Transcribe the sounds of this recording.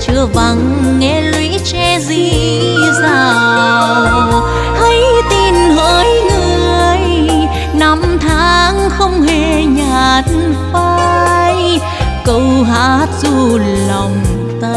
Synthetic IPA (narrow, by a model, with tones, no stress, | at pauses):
t͡ɕɨ˧˩əva˨˩ŋːɛ˧˥lwi˧˥t͡ɕɛ˧zi˧˩ | zaː˨˩w | hə˧jt̪i˨˩nhəː˨˦jŋɨ˨˧˩ə˨˧˩əj | na˧˦mt̪ʰaː˨˦ŋxə˧wŋ͡mhe˧˩ɲaː˨˧˩t̚nfaː˧j | kə˧˩wɦa̰ː˧˥t̚zu˧ | lɔ˨˩ŋ͡m | t̪ə˧